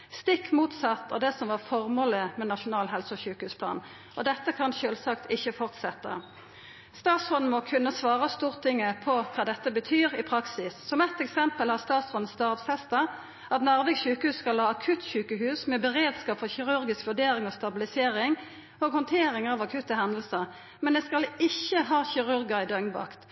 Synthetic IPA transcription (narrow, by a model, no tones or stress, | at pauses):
st̪ɪkːmuːt̪sɑt̪ːɑ̰ʁd̪ɛsɔmʋɑʁfɔʁmoːləmɛnɑʃʊnɑːlɦɛlsɔçʉːkəhʉːspʰlɑ̰ːn | ʔɔd̪ɛt̪ːəkʰɑnʃøːlsɑkt̪ʰɪçːəfɔʁt̪sɛt̪ːə̰ | st̪ɑːt̪sɔn̩mɔkʰʉnːəsʋɑːʁəst̪uːʁt̪ʰɪŋːəpʰɔkʰɑːd̪ɛt̪ːəbət̪ʰyːʁɪpʰʁɑksɪsːɔmɛt̪ːɛksɛmpəlhɑʁst̪ɑːt̪shɔn̩st̪ɑːʁʋsɛst̪ɑ | ɑt̪nɑʁʋɛɡʉːkəhʉːskɑlhɑːɑkʰʉt̪çʉːkəɦʉːsmɛbɛʁeːd̪skɑːpfɔʁçɪʁʉʁɡɪskʋʉd̪eːɾɪŋɔst̪ɑbɪlɪseːʁɪŋ | ɔːɡhɔnt̪ʰeːʁɪŋɑːʋɑkʰʉt̪ːəɦɛnəlsəʁ | mɛnd̪ɛskɑlɪçːəɦɑːçɪʁʉʁɡəʁɪd̪œŋnbɑ̰kt̪